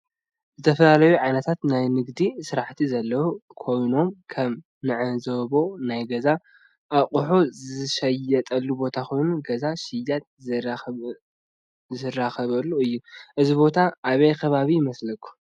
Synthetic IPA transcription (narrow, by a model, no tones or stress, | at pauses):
zɨt̪ʰɐfɐlalɐjuʕajnɐt̪ʰat̪najnɨɡd̪isɨɾaħt̪ʰizɐlːɐwukʰo̞jno̞mkʰɐm | nɨʕɨzɐβo̞najɡɐza | ʔaqʼuħuzzɨʃɐjɐt̪ʼɐlːubo̞t̪ʰakʰo̞jnuɡɐzaʃɪjat̪̚ | zɨraxɐβɐlːuɨjːuʔɨzibo̞t̪ʰaʔːβɐjkʰɐβaβijɪmɐslɐkʰːu̥